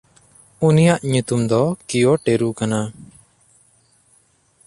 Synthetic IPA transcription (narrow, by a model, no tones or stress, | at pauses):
unijaʔɲut̪umd̪ɔkijɔʈeɾukana